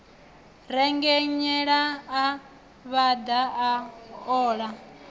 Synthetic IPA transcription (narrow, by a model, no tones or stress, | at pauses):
ɾɛŋɡɛɲɛɺaː | βad̪aaɔːɺa